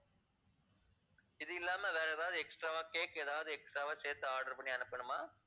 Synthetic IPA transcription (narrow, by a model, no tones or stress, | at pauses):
ɪðɯɪlːaːmɛʋeːɾɐðaːʋɐðɯɛksʈɾaːʋaːkeːkːɛðaːʋɐðɯɛksʈɾaːʋaːseːt̪ːɯaːɾɽɐɾpɐɳːiɐnɯpːɪɳɯmaː